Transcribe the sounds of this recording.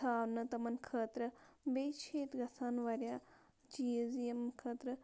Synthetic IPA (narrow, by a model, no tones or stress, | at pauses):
aːnɐt̪ɐmɐnkʰəːt̪ɾɐbeːt͡ʃʰeːt̪ɡɐsʰaːnʋɐɾʲjaː | d͡ʒiezijɐmkʰəːt̪ɾɐ